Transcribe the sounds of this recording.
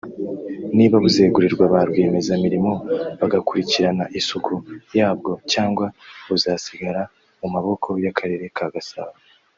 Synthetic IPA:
niːβaβuze̞ːɡuɾiɾɡwaβaɾɡweːme̞zamiɾimo̞βaɡakuɾiciɾanaʔisukʰujaːbɡo̞caːŋɡwaβuzasiɡaɾa | umaβo̞kʰo̞jakʰaɾe̞ːɾe̞kʰaɡasaβa

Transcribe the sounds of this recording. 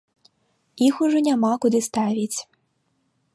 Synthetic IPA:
ixuʐɔnʲamakud̪ɨst̪avʲit͡sʲ

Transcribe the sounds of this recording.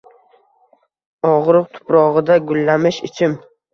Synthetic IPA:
ɒʁɾɨq̚t̪ʰʊ̥pɾɒʁɨd̪aɡʊlːamɪʃɪt͡ʃʰɪm

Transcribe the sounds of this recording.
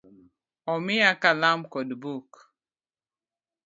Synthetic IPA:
ɔmɪakalamkɔdbuk

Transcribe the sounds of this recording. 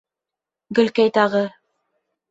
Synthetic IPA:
ɡɵ̆lkæjt̪ɑʁɤ

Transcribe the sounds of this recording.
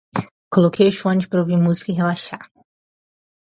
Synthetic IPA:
kolokʰejɐʃõnt͡ʃɪ̥pɾɐoviɾmuzi̥kɐiɦelaʃa

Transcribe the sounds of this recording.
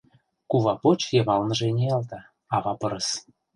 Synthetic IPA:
kuβɑpot͡ɕjeβɑlˠnɤ̆ʒenʲejɑlt̪ɑ | ɑβɑpɤɾɤ̆s

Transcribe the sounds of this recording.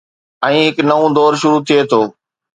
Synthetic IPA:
ɛ̃ːɦɪknɐʋõd̪ɔːɾʃʊɾut̪ʰijet̪ʰoː

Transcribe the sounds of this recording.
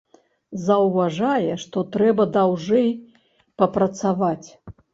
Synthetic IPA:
zɐwvaʐajɛʂt̪ɔt̪ɾɛbɐd̪awʐɛj | pɐpɾɐt̪savat͡sʲ

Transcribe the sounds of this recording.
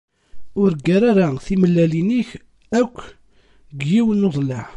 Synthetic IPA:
ʊɾɡːæɾaɾaθiməlːæliniç | ækʷː | ɡjiwənoðˤlæ

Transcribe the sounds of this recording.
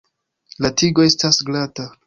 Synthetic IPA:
latiɡo̞e̞stasɡlata

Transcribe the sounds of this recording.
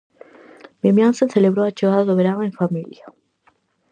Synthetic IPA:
memjãnseθeleβɾoat͡ʃeɣaðaðoβeɾanẽɱfamilja

